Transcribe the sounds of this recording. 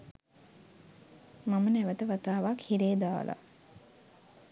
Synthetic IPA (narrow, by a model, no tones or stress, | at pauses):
mamənæʋət̪əʋat̪aːʋakhiɾeːd̪aːlʔa̰